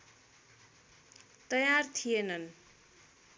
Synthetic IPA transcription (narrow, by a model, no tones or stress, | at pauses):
t̪ʌjart̪ʰijenʌn